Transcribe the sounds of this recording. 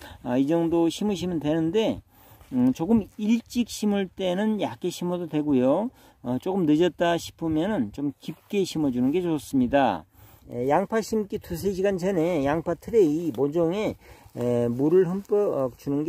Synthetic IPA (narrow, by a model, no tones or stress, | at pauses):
id͡ʑʌŋdoɕʰimuɕ̬ʰimɯndwe̞nɯnde̞ | t͡ɕoɡɯmiɭt͡ɕ͈ik̚ɕʰimuɭt͈e̞nɯnjak͈ʰeɕʰimʌdodwe̞ɡujo | ʌt͡ɕ͈okɯmnɯd͡ʑʌt̚t͈aɕʰi̥pʰɯmjʌnɯnt͡ɕomkip̚k͈e̞ɕʰimʌd͡ʑunɯnɡe̞t͡ɕos͈ɯmɲida | jaŋpʰaɕʰimk͈itus̬ʰeɕ̬ʰiɡant͡ɕʰenejaŋpʰatʰɯɾeimod͡ʑʌŋe̞ | muɾɯɭɦɯmp͈ʌk̚t͡ɕunɯnɡe